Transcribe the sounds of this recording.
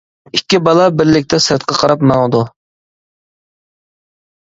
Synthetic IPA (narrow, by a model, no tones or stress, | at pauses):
ikʲːibɑlˠɑbɪɾlɪk̚ʲt̪ʰɛsɾt̪̚qʰɑqʰɑɾɑpmɑŋəd̪u